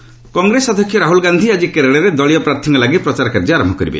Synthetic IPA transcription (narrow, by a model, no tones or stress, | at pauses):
kɔŋɡɾesɔd̪ʱɔkʰːjɔɾaɦulɡand̪ʱiad͡ʒikeɾeɽeɾed̪ɔɭijɔpɾaɾt̪ʰiŋɔlaɡipɾɔt͡ʃaɾɔkaɾd͡ʒɔaɾɔmbʱɔkɔɾḭbḛ